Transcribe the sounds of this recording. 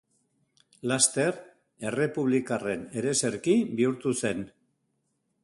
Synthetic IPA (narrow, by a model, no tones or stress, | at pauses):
last̪e̞ɾ | e̞re̞puβ̞likare̞ne̞ɾe̞se̞ɾkibiuɾt̪use̞n